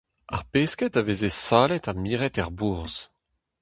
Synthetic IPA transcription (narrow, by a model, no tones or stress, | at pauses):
a̰ʁpeːskɛtavezesaːlɛtamiːʁɛtɛʁbuʁz̥